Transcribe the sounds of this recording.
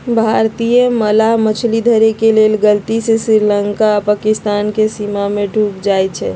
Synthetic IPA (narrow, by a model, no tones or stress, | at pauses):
bʱaɾt̪ijeməlamət͡ʃʰlid̪ʱəɾekelelɡəlt̪isesɾiɾləŋkaːpakist̪ankesimameɖʱukd͡ʒajt͡ʃʰɛ